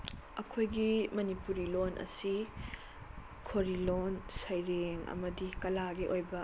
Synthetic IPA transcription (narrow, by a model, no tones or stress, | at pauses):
ɐkʰojɡimɐnipuɾilonʔɐ̰si | kʰoɾilonsɐjɾeŋɐ̰mɐdikɐlaɡiʔojbɐ